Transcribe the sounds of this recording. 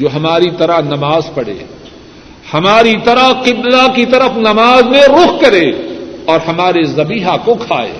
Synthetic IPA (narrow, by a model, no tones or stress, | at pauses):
d͡ʒoːɦɐmaːɾit̪ɐɾaɦnɐmaːzpɐɽḛː | hɐmaːɾit̪ɐɾaqɪblakit̪ɐɾəfnɐmaːzmẽɾʊxkɐɾeːɔːɾhɐmaːɾezɐbiːɦakokʰaːḛː